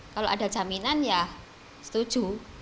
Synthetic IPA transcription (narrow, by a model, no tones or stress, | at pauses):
kaloʔa̰da̤d͡ʒaminanjah | sə̥t̪ud̥ʒ̥ṳ